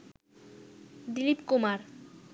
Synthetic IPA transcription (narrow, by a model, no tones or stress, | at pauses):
d̪ilipkumaɾ